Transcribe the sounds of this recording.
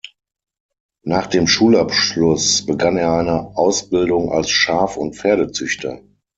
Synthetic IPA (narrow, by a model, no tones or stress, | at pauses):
naːχd̥eːmʃuːlapʃlʊsb̥əɡaneːɐʔaɪnəʔaʊsb̥ɪldʊŋʔa̰lsʃaːfʊntfeːɐɾət͡sʏçtʰɐ̰